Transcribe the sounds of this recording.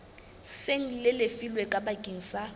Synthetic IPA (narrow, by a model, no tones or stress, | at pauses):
seŋ̩lɪlefilwekʼabakʼiŋ̩sa